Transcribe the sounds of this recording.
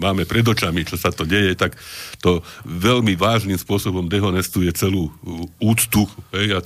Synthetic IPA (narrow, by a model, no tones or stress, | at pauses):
maːmɛpɾɛd̪ɔt͡ʃamit͡ʃɔsat̪ɔɟɛjɛt̪akt̪ɔʋɛlmiʋaːʒnimspʊɔsɔbɔmd̪ɛɦɔnɛst̪ujɛt͡sɛluːuːt͡st̪uxɦɛja